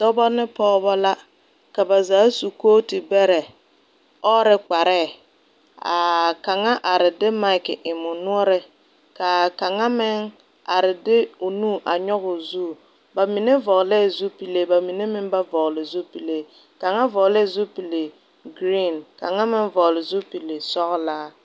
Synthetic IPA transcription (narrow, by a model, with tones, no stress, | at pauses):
dɔ˦bɔ˦nɪ˦pɔː˦βɔ˦la˦ | ka˨ba˨zaː˨˦su˨koː˦tɪ˨bɛ˦ɾɛ˨ | ɔ˦ɾɪ˦k͡pa˨ɾɛː˦˨ | a̰˨ka˨ŋa˦ʔa˨ɾɪ˨dɪ˦ma˦ɪ˨kɪ˨ʔɪ˨mʊ˨nʊ˦ɔ˦ɾɪ˦ | ka˨ka˨ŋa˦mɪ˦ŋ | a˨ɾɪ˨dɪ˦o˨nuː˦˨ʔa˨ɲɔ˦ɣʊ˨zu˦˨ | ba˨mi˨ne˦vɔ˨ɣlɛ˦˨zu˦pi˨le˦ba˨mi˨ne˦mɪ˦nba˦vɔ˨ɣlɪ˨zu˦pi˨le˦ | ka˨ŋa˦vɔ˨ɣlɛ˦˨zu˦pi˨le˨ | ɡɾi˦˨nka˨ŋa˦mɪ˦ŋvɔ˨lɪ˨zu˦pi˨le˨sɔ˦ɣlaː˦